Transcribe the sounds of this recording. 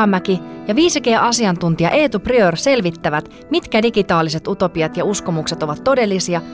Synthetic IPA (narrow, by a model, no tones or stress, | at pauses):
mːækijɑʋiːsikeːʔɑsiɑnt̪unt̪iɑ̰ʔeːt̪upryørse̞lʋit̪ːæʋæt̪ | mit̪kædiɡit̪ɑːlːise̞t̪ut̪o̞piɑt̪jɑusko̞mukse̞t̪o̞ʋɑt̪ːo̞de̞lːisiɑ